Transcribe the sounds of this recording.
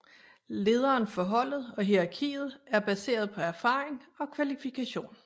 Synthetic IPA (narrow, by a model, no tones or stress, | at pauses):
le̝ːð̞ˠɐːnfɒ̽ɦɒ̽l̰ð̩ˠɒ̽ɦiʁɑ̈kʰḭːð̞̩ˠæɐb̥æse̝̰ːɐð̞̩ˠpʰɒ̽æɐfɑ̰̈ːʁeŋɒ̽kʰʋælifikʰæɕo̝̰ːn